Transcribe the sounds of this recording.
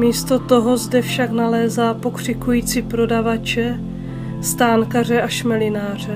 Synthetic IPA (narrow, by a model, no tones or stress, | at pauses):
miːst̪o̞t̪o̞ɦo̞zdɛfʃaknalɛːzaːpo̞kr̝̥ɪkujiːt͡sipɾo̞davat͡ʃɛ | st̪aːŋkar̝ɛʔaʃmɛlɪnaːr̝ɛ